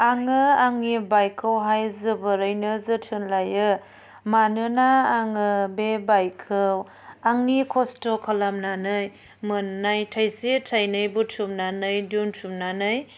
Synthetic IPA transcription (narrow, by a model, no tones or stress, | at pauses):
aŋɯaŋnibajkʰɯwɦajzɯbɯɾɯjnɯzɯtʰɯnlajɯ | manɯnaːŋɯbebajkʰɯw | aŋnikʰɔstɔkʰalamnanɯj | mɯnːajtʰajsitʰajnɯjbutʰumnanɯjduntʰumnanɯj